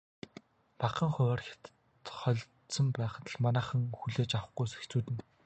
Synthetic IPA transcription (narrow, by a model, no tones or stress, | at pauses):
paqə̆ŋχʊɔːrxʲḁt̪ə̥ | t̪χɔɮt̪sɞ̆mpæːχt̪ʰə̆ɮmanæːχə̆ŋxuɮeːt͡ɕaw̆χɡujse̥xt͡suːt̪ɘ̆n